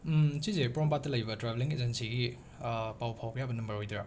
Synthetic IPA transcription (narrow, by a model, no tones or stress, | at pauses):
sizepɾɔmpat̚ːɐlɐjbɐtɾabeliŋḛzensiɡi | pawpʰawkʰɐjabɐnɐmbɐɾhojdɾa